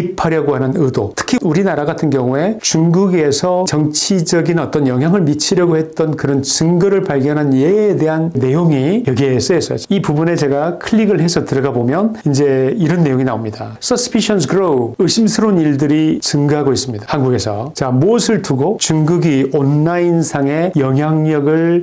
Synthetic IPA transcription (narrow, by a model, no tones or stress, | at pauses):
ik̚pʰaɾjʌɡoɦanɯnɯdotʰɯ̥kʰiuɾinaɾaɡatʰɯnɡjʌŋue̞t͡ɕuŋɡuɡe̞sʰʌt͡ɕʌŋt͡ɕʰid͡ʑʌɡinʌt͈ʌnjʌŋɦjaŋɯɭmit͡ɕʰiɾjʌɡohe̞t̚t͈ʌnkɯɾʌnt͡ɕɯŋɡɯɾɯɭpaɭɡjʌnɦanjeːde̞ɦanne̞joŋijʌɡis͈ees͈ʌjoipubune̞t͡ɕe̞ɡakʰɯɭːiɡɯɭɦe̞sʰʌtɯɾʌɡabomjʌnind͡ʑe̞iɾʌnːe̞joŋina̰omɲida | s͈ʌsʰɯ̥pʰiɕʰʌnsɡɯɾoɯɕʰimsʰɯɾoniɭdɯɾit͡ɕɯŋɡɯɦaɡois͈ɯmɲidḁhanɡuɡe̞sʰʌ̰t͡ɕamoʌsʰɯɭtuɡot͡ɕuŋɡuɡionːainsʰaŋe̞jʌŋɦjaŋɲʌɡɯɭ